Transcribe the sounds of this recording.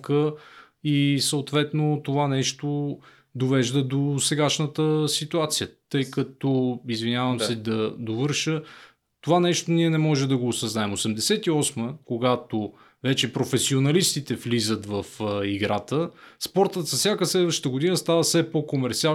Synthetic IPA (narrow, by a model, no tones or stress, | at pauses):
kə | isəot̪vɛt̪not̪ovanɛʃt̪o | d̪ovɛʒd̪əd̪osɛɡaʃnət̪əsit̪uat̪sijət̪ɤjkət̪oizvinʲavəmsɛd̪ɐd̪ovɤɾʃə | t̪ovanɛʃt̪oniɛnɛmɔʒɛmd̪ɐɡoːsɐznaɛmosɛmd̪ɛsɛt̪iɔsməkoɡat̪o | vɛt͡ʃɛpɾofɛsionɐlist̪it̪ɛflizət̪vɐfiɡɾat̪əspɔɾt̪ət̪zɐsʲjakəslɛd̪vəʃt̪əɡod̪inəst̪avəsɛpokomɛɾt̪sia